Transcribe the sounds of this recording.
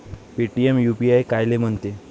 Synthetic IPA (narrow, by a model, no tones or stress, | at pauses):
piʈiemjupiajkajlem̤əɳt̪e